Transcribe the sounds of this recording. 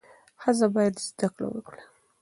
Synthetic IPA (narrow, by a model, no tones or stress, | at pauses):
hazabɑjad̪zd̪akɽa̰wə̰kɽa